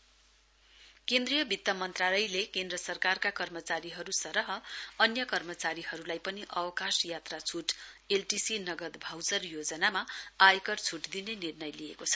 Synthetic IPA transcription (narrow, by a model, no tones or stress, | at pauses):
kend̪rijʌbʱit̪ːʌmʌnt̪ralʌjlekend̪rʌsʌrkarkakʌrmʌt͡saɾiɦʌɾusʌɾʌɦʌʌnjʌkʌrmʌt͡saɾiɦʌɾulajpʌniʔʌwʌkasjat̪rat͡sʰuʈelʈisinʌɡʌd̪bʱawsʌrjod͡zʌnamaajkʌrt͡sʰuʈd̪inenirnʌjlijekot͡sʰʌ̥